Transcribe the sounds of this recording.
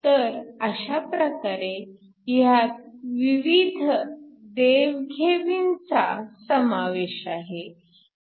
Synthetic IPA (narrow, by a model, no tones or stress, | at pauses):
t̪əɾəɕapɾəkaɾe | jat̪̚ʋiʋid̪ʱd̪eʋɡʱeʋint͡sa̰səmaʋeɕaɦe